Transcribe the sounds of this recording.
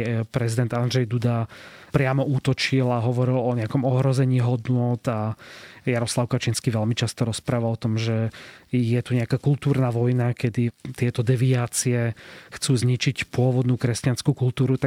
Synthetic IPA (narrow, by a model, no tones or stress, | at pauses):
pɾɛzid̪ɛnd̪and̪ʒɛjd̪ud̪apɾɪamɔut̪ɔt͡ʃilaɦɔʋɔɾilɔɲɛakɔmɔɦɾɔzɛɲiːɦɔd̪nʊɔt̪ajaɾɔslaʊkat͡ʃinskiʋɛlmit͡ʃast̪ɔɾɔspɾaːʋalɔt̪ɔmʒɛjɛt̪uɲɛakaːkult̪uːɾnaʋɔjnakɛd̪it̪ɪɛt̪ɔd̪ɛʋiaːt͡siɛxt͡suːzɲit͡ʃicpʊɔʋɔd̪nuːkɾɛscanskukult̪uːɾut̪a